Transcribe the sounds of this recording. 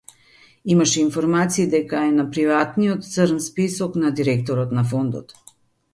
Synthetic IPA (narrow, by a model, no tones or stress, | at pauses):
imaʃɛinfɔɾmat̪siːd̪ɛkaɛnapɾivat̪nijot̪t̪səɾnspisɔknad̪iɾɛk̚t̪ɔɾɔt̪nafond̪ɔ̰t̪